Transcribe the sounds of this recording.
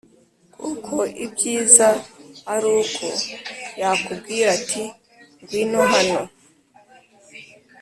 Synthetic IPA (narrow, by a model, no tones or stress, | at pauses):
kʰukʰoibɡiːzaaɾuːkʰo̰jakub̚ɡiːɾatʰi | ŋɡwinoɦano